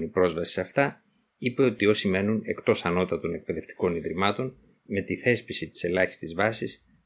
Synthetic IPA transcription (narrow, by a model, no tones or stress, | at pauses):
nipɾo̞zvɐsi̥sɐft̪ɐ | ipe̞o̞t̪io̞sime̞nune̞kt̪o̞sɐno̞t̪ɐt̪o̞ne̞k̚pe̞ðeft̪i̥ko̞niðɾimɐt̪o̞n | me̞t̪iθe̞spisit̪i̥se̞lɐçi̥st̪izvɐsis